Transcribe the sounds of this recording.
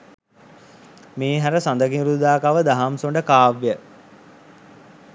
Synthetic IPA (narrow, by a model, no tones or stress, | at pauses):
meːɦæɾəsand̪əkiɾud̪aːkaʋəd̪aɦamsoɳɖəkaːʋjə